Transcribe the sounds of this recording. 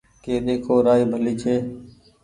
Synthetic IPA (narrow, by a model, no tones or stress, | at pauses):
keːɗ̪eːkʰoːɾaːiːbʱəliːt͡ʃʰeː